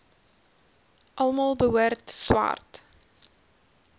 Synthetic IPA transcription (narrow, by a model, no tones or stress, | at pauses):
ʔɐlˠmɑːlˠbəɦuərtswa̰rt